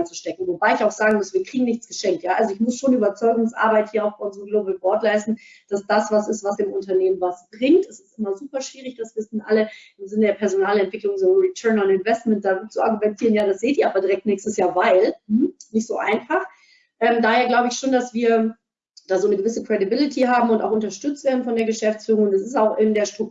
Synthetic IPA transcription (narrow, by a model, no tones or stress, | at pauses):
aɪnt͡su̥ʃtɛkŋ̩vobaɪɪçaʊxz̥aːɡŋ̩mʊsviːɐkʁ̥iːɡŋ̩nɪçt͡sɡ̥əʃɛŋktjaːʔalzoɪçmʊsʃoːnyːbɐt͡sɔʏɡʊŋsʔa̰ːɐbaɪthiːɐaʊxb̥aɪʊnzəʁəmɡloːbl̩bɔɐtlaɪstn̩ | d̥asd̥asv̥asɪstv̥asd̥eːmʊntɐneːmənvasb̥ʁɪŋtɛsɪ̥stʔɪmɐzuːpɐʃv̥iːʁɪçd̥asv̥ɪsn̩ʔa̰lə | ɪmzɪnədeːɐpʰɛɐzonaːlɛntv̥ɪklʊŋzoːʁitʰɜɐnanɪnvɛst̚mɛnt̚d̥aːt͡sua̰ɐɡumɛntʰiːʁənjaːdasz̥eːtiːɐaːbɐdiʁɛk̚tnɛːçstəsjaːɐvaɪl̩nɪçtz̥o̰ːʔa̰ɪnfaχ | ʔɛːmdaːheːɐɡlaʊbəɪçʃoːndasv̥iːɐ | d̥aːzoːnəɡəvɪsəkʁ̥ɛdibɪlɪtʰiɦaːbm̩ʊntaʊxʊntɐʃtʏt͡stv̥eːɐdn̩fɔndeːɐɡəʃɛft͡sfyːʁʊŋʊntɛs̬ɪstaʊxɪndeːɐʃtʁ̥ʊk̚